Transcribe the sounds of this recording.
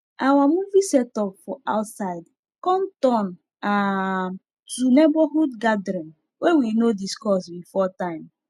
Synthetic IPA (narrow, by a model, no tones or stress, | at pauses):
awamuvisɛtɔpfɔa̰ʊtsaɪd | kɔ̃ntɔ̃n | a | tɾunebɔhudɡadɾĩn | wewinodiskɔsbifɔtãɪ̃m